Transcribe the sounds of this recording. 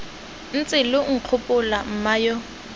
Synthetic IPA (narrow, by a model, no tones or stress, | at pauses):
n̩t͡sʼɪlʊŋ̩q͡χʰʊpʼʊlam̩majɔ